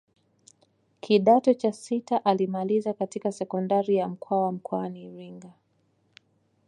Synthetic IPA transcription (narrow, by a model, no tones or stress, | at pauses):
kʰiɗatɔt͡ʃasitaʔalimalizakatikasɛkɔndaɾijam̩kʰwawam̩kɔaniɾiŋɡa